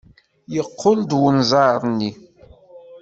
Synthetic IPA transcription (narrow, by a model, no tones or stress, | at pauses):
jəqʰːʊld̪wənzˤɑɾˤnːi